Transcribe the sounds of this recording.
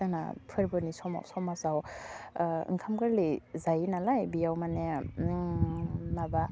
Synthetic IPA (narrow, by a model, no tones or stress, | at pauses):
ana̰pʰɯɾbɯnisɔma̰wsɔmasaw | ɯ̰ŋkʰamkɯɾlizajinalajbijawmane | naba